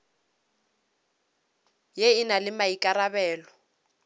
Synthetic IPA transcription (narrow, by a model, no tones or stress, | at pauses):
jeɪnalɪmaikʼaɾabɛːlɔ